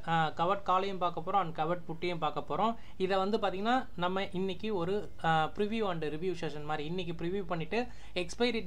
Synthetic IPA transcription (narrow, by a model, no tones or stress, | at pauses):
kɐʋɐʈkaːlɐjɐ̃mpaːɾkɐpːoːɾõːɐnkɐʋɐɾʈ̚pʊʈːɪjɐ̃mpaːɾkɐpːoːɾõ | ɪðɛʋɐnd̪ɯp̬aːɾt̪iːŋɡɐnːaːnɐmːɐʔɪnːɪkːɯɔɾɯ | pɪɾɪʋjuɐɳɖɐɾɪʋjuːʂeːʂɐnmaːd̪ɾiɪnːɪk̬ʲːɯpɪɾɪʋjuːpɐɳːɪʈːɯ | ɛkspɐɪɾɪ